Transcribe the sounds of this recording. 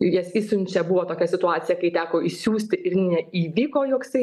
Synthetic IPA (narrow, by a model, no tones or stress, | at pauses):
jɛsiːsʊnʲt͡ʃʲɛbʊʋoːt̪oːkʲɛsʲɪt̪ʊɑːt̪t͡s̪ʲɪjɛkɐɪt̪ʲæːkoːɪʃsʲuːsʲt̪ʲɪɪɾnʲɛiːʋʲiːkoːjoːksɐɪ